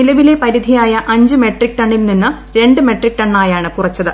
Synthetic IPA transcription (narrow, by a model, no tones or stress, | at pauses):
nilɐʋile̞pɐɾid̪ʱijaːjɐʔɐɲd͡ʑɨme̞ʈrik̚ʈɐɳːilninːɨ | ɾe̞ɳɖɨme̞ʈrik̚ʈɐɳːaːjaːɳɨkurɐt͡ɕːɐðɨ